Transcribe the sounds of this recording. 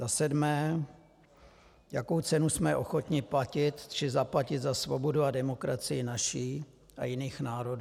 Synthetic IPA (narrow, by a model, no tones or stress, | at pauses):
zasɛdmɛː | jako̞wt͡sɛnusmɛʔo̞̰xo̞t̪ɲɪplacɪt̪t͡ʃɪzaplacɪd̪zasvobo̞duadɛmo̞kɾat͡sɪjɪnaʃiː | ʔa̰jɪniːxnaːɾo̞du